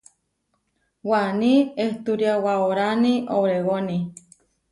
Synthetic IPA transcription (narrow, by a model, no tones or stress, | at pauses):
wanieht̪uɾjawaoɾaniʔowɾewoni